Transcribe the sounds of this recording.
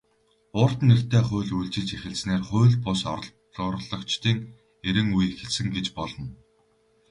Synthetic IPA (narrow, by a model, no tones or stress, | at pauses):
ʊːr̥t̪ner̥t̪eːχʊ̟ːɮujɮt͡ɕɪ̆ɮt͡ɕexɘ̆ɮt͡sneːrχʊ̟ːɮpʊsɔ̰ɾ̆ɮ | ɾɮɞ̆kt͡ɕt̪iːŋ | eɾɘ̆ŋujexɘ̆ɮsɘ̆ŋɡet͡ɕpɔɮɞ̆n